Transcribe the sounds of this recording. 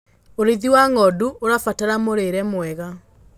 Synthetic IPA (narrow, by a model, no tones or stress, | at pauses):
oɾiðiwaŋɔduʔoɾafataɾamoɾeɾɛmwɛɣa